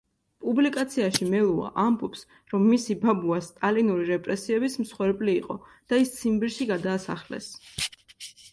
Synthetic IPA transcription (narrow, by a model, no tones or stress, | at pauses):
pʼublikʼat̪sʰiaʃimɛlˠua̰ʔambɔps | ɾɔmːisibabuast̪ʼalinuɾiɾɛpʼɾɛsiɛbism̩sχwɛɾbʼliːqʼɔd̪̥aist̪sʰimbiɾʃiɡad̪aːsa̰χlɛ̰s